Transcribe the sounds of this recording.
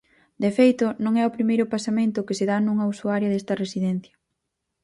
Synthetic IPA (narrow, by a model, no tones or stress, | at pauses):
d̪efejt̪ʊnõŋɛʊpɾimejɾʊpasamẽnt̪ʊkeseðanuŋɐusuaɾjɐðest̪ɐresiðɛn̟θjɐ̥